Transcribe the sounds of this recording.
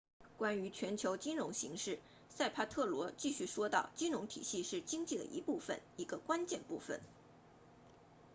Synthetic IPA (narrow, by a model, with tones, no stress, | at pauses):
kwa˥ny˧˥t͡ɕʰɥɛ˧˥nt͡ɕʰjo˧˥ʊt͡ɕi˥nɻʊ˧˥ŋɕi˧˥ŋʂɻ̩˥˩ | sa˥˩ɪpʰa˥t̪ʰɤ˥˩lwɔ˧˥t͡ɕi˥˧ɕy˥˩ʂwɔ˥t̪ɑ˥˩ʊt͡ɕi˥nɻʊ˧˥ŋt̪ʰḭ˨˩ɕi˥˧ʂɻ̩˥˩t͡ɕi˥ŋt͡ɕi˥˩d̪ə̰˩ʔḭ˧˥pu˥˩fə̰˨˩ni˧˥ɡə˧kwa˥nt͡ɕjɛ˥˧npu˥˩fə̰˨˩˦n